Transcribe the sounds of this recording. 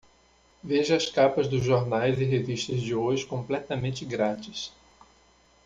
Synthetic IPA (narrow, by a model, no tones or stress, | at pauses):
veʒʊɐskapɐzd̪ʊzʒoɾnajzɪɦeviʃt̪ɐzd͡ʒɪoʒɪkõplɛt̪ɐmẽnt͡ʃ̪ɪɡɾat͡ʃɪs